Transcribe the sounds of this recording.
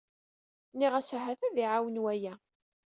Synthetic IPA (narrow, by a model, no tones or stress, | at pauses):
niʁæsɦæθæðiʕawənwæjæ